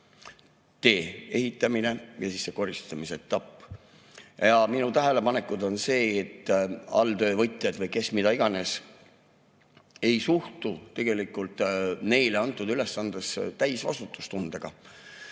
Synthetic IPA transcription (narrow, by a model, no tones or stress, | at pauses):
t̪e̞ːe̞ɦit̪ːˑɑmine̞jɑsisːe̞ko̞rist̪ɑmiseet̪ːˑɑpːˑ | jɑminut̪æɦele̞pɑne̞kˑud̪o̞nse̞ːt̪ːˑɑ̰ld̪ø̞ːvɤjt̪ˑjɑd̪vɤjke̞smid̪ɑiɡ̥ɑne̞s | e̞jsuht̪ut̪e̞ɡ̥e̞likːˑult̪ˑne̞jleɑnt̪ːˑud̪̥yle̞sːɑnd̪̥est̪æjsvɑ̰st̪ut̪ːˑu̥st̪und̪̥eɡ̥ɑ